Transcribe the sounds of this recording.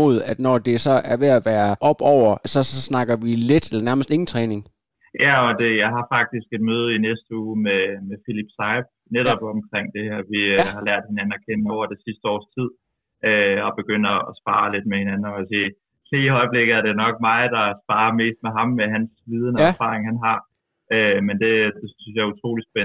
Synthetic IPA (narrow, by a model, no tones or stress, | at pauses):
o̝ð̩ˠæd̥nɒd̥e̝sɒ̽ʔæɐʋe̝æʋæːɐʔɒ̽b̥ɒʊ̰ɐsɒ̽snɑ̈ɡ̥ɐʋile̝d̥elɐnæɐməsd̥e̝ŋn̩t͡sʰʁɛːne̝ŋ | jæɒ̽d̥e̝jɑ̈ɪɦɑ̈fɑ̈ɡ̥̚d̥isɡ̥e̝d̥̚møːð̞ˠəinesd̥əuːmemefilib̥sɑɪb̥̚ | neɾɒb̥ɒmkʰʁeŋ̰d̥e̝hæɐ̰ʋihɑ̈læɐ̰d̥̚he̝næn̩ækʰen̰əmɒʊ̰ɐd̥e̝sisd̥əɒ̰ːst͡sʰið̞̰ˠ | ʔøɒ̽b̥e̝ɡ̥øn̰ɒːsb̥ɑ̈ːle̝d̥mehenænn̩ɒsiː | liiɦɒ̽ɪb̥le̝ɡ̥ð̩ˠæɐɾe̝nɒ̽ɡ̥̚mɑ̈ːd̥ɑ̈sb̥ɑ̈ːɐme̝̰ːsd̥̚meɦɑ̈mːeɦænsʋiːð̞ˠn̩əæfɑ̰̈ːʁeŋhænɦɑ̈ | ʔømend̥e̝d̥e̝synsjɑ̈ɪut͡sʰʁo̝̰ːli̥sb̥en